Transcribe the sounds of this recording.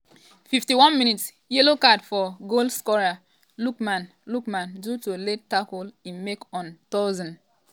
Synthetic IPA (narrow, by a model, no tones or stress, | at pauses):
fiftiwɔ̃nmĩnits | jelokadfɔɡolskɔɹa | lukmãn | lukmãndutuletakulĩnmekɔ̃ntɔzɔ̃n